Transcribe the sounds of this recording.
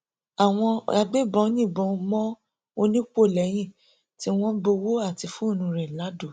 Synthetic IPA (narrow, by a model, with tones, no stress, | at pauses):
a˨w̃ɔ̃˧a˧ɡ͡be˦˨bɔ̃˧˦nĩ˦˨bɔ̃˧mɔ̃˦ | o˧nĩ˦k͡po˦˨lɛ˨˦j̃ĩ˦˨ | ti˨˦w̃ɔ̃˦bo˧wo˦a˦˨ti˧fũ˦o˦˨nũ˧ɾɛ˨la˨˦do˦˨